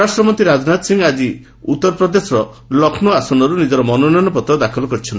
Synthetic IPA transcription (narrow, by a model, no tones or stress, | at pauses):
ɾasʈɾɔmɔnt̪iɾad͡ʒɔnat̪siŋɡad͡ʒi | ut̪ːɔɾɔpɾɔd̪esɔɾɔ | lɔkʰnɔasɔnɔɾunid͡ʒɔɾɔmɔnɔnɔjnɔpɔt̪ɾɔd̪akʰɔlɔkɔɾit͡ʃʰɔnt̪i